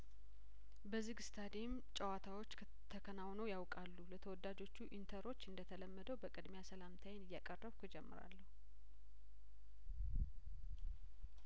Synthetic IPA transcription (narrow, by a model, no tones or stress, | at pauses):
bəzɨɡɨst̪ʰad̪em | t͡ʃʼəwat̪ʰawo̞t͡ʃː | t̪ʰəkʰənawnəwjawkʼalːulət̪ʰəwɔd̪ad͡ʒo̞t͡ʃːuʔint̪ʰəɾo̞t͡ʃːɨnd̪ət̪ʰələmːəd̪əwbəkʼɨd̪mejasəlamt̪ʰajnɨjːakʼərːəβkʰɨd͡ʒɛmːɨ̰ɾa̰lːəhu